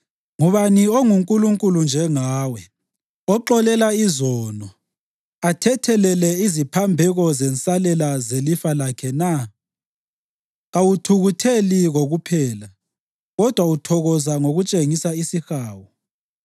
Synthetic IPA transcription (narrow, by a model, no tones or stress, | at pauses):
ŋuβanioŋuŋkʼuluŋkʼulund͡ʒʱɛŋaːwɛ | ɔǃɔlɛlaizɔːnɔ | atʰɛtʰɛlɛlɛizipʰambʱɛɣɔzɛnt͡sʼalɛlazelifalakʰɛna | ɣawutʰuɣutʰeliɣoɣupʰɛːla | ɣɔd̥ʱwautʰɔɣɔzaŋoɣut͡ʃʼeŋisaisixaːwɔ